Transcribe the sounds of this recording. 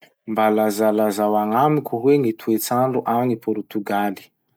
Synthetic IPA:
mbalazalazawaŋamikʲuɦweŋit̪ʰuet͡saɳɖ͡ʐuʔamnipɔɾt̪uɡali̥

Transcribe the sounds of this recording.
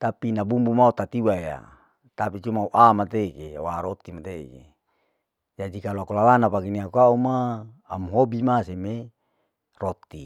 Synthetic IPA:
t̪apinabumbumaut̪at̪iwaja̰ | t̪apit͡ʃumauʔamat̪ekewaɾot̪imat̪ḛkḛ | d͡ʒadikaloakulalanapakiniakuaumaː | mɦobimaseme | rot̪ːi

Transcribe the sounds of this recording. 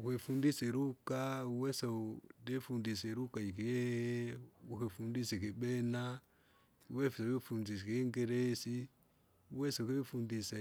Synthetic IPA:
ukefundiseɾukauwesedefundiseɾukaikie | uhefundisekeɓena | uwefisefundiskeŋɡeɾesi | uwesukefundise

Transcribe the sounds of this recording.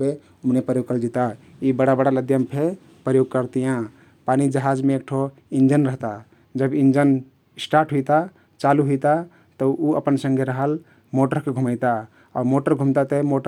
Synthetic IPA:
e | umnepɾəjoɡ̚kəld͡ʒit̪aibəɽabəɽaləd̪ʱjəmpʰe | pɾəjoɡ̚kəɾt̪ijã | panid͡ʒəɦad͡ʒmẽek̚ʈʰo | ind͡ʒənɾəɦt̪a | d͡ʒəbind͡ʒən | sʈaɾʈɦujt̪a | t͡ʃaluɦujt̪a | t̪əʔuə̰pənsə̃ŋɡʱeɾəɦəl | moʈəɾkeɡʱuməjt̪a | ɔ̰ɾmoʈəɾɡʱumt̪at̪əmoʈ

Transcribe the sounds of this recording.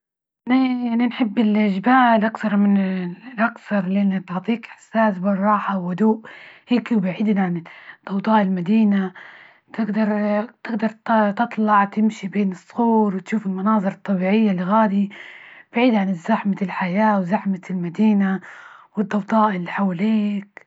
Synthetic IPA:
njaʕninħɪbːɪlʔɪʒbaːlʔakθɑɾˤmɪnlʔakθɑɾˤlɪʔanːat̪ʊʕt̪ˤiːkʔɪ̥ħsaːsbɑrˤːɑːħawːʊd̪uːʔheːkwbaʕiːd̪nʕand̪̥ˤːɑwt̪ˤɑːʔɪlmad̪iːna | t̪ɪɡd̪ɑɾˤt̪ɪɡd̪ɑɾˤt̪t̪ɨt̪ˤlɑʕt̪ɪmʃibeːnɨsˤːɣuːɾwɪt̪ʃuːfɪlmɑnɑːzˤɨɾˤɑt̪ˤːɑbiːʕɪjːalːiɣaːd̪ib̥aʕiːd̪ʕanɪzːaħmalħajaːwzaħmalmad̪iːnawɨd̪ˤːɑwd̪ˤɑːʔɪlːiħawaliːk

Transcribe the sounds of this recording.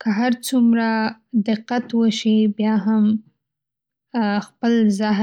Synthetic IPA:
kəɦaɾt͡sumɾad̪ɪqːat̪wəʃibjɑɦam | xpəlzaɦ

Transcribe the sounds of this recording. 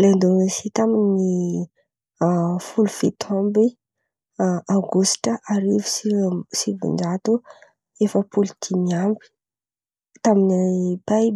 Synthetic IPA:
lend̪onesit̪amini | fulufit̪ʰɔmbi | awɡusʈ͡ʂəʔaɾivi̥sisivḭnd͡ʒat̪u | efəpulit̪ʰimiambi̥ | t̪aminipaj

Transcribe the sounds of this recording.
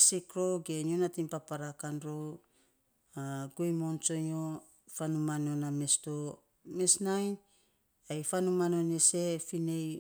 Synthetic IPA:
sikɾoɡenonatimpapaɾakanɾo | aɡojmont͡ʃoɲo | fanumanoname̞sto | mesnajn | ajfanumano̞nese̞finej

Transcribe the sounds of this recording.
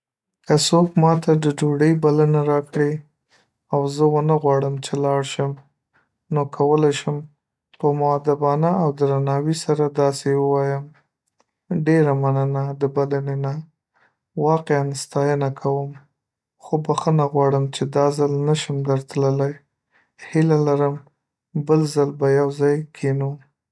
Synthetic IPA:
kəsokmɑt̪ad̪əd͡ʒoɽəjbalanaɾɑkɽe | awzəwənaɣwɑɽəmt͡ʃelɑɽʃəm | nokʰawəlajʃəm | pəmʊad̪abɑnaawd̪ɾanɑwisaɾad̪ɑsewəwɑjəm | ɖeɾamanənad̪əbalanena | wɑqeanst̪ɑjənakʰawəm | xobaxənaɣwɑɽəmt͡ʃed̪ɑzalnaʃəmd̪əɾt̪ləlaj | hilalaɾəm | bəlzalbajawzɑjkʰenu

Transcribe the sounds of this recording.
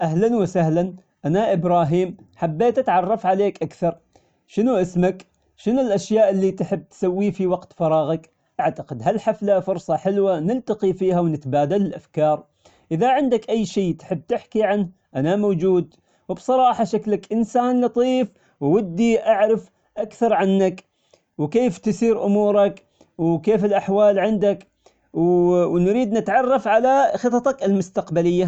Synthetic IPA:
ʔaɦlanwɪsahlan | ʔanaʔɪbɾɑːɦiːmħabːeːt̪ʔat̪ʕɑrˤːɑfʕaleːkʔakθɑɾˤ | ʃɪnuʔɪsmak | ʃɪnʊlʔaʃjaːʔɪlːit̪ħɪbːt̪sawːifiwaqt̪fɑɾˤɑːɣɪk | ʔaʕt̪aqɪd̪ɦalħaflafʊɾsˤɑħɪlwanɪlt̪aqifiːhawnɪt̪baːd̪alɪlʔafkɑːɾˤ | ʔɪðaʕɪnd̪akʔajːʃiːt̪ħɪbːt̪ɪħkiʕanh | ʔanamowd͡ʒuːd̪ | wɪbsˤɑɾˤɑːħɑʃaklakʔɪnsaːnlɑt̪ˤiːf | wwɪd̪ːiʔaʕɾɪf | ʔakθɑɾˤʕanːak | wkeːft̪ɪsiːɾʔʊmuːɾˤɑk | wkeːfɪlʔaħwaːlʕɪnd̪ak | wwnɾiːd̪nɪt̪ʕɑrˤːɑfʕalaxɨt̪ˤɑt̪ɑkɪlmʊst̪aqbalɪjːa

